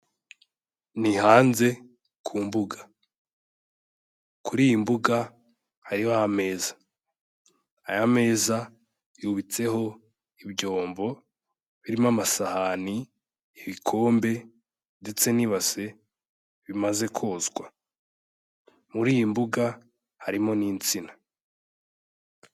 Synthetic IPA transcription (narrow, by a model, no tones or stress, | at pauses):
nihaːnze̞ | kʰuːmbuɡḁ | kuɾiːjimbuɡa | haɾihahame̞ːzḁ | jame̞ːza | juβit͡se̞ho̞ | ibɟo̞ːmbo̞ | βiɾimamasahani | iβikʰo̞ːmbe̞ | nde̞t͡se̞niβase̞ | βimaze̞kʰo̞ːzɡwa | muɾiːjimbuɡa | haɾimo̞niːnt͡sina